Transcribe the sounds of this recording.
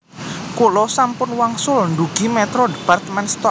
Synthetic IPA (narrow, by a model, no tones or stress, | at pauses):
kolɔsampʊnwaŋsʊlɳd̪uɡ̥i̤mɛt̪ɾɔdb̥art̪mɛnst̪ɔ